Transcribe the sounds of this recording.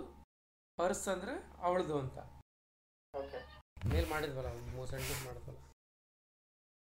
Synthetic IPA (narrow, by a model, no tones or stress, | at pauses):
pɐɾsɐnd̪ɐɾeɐ̰ʋɐɭɐd̪uɐnt̪ɐ̰ | okme̞ːlmaːɽid̪ʋɐlːɐmoːsɐɳʈismaːɽid̪ʋɐ̰lːɐ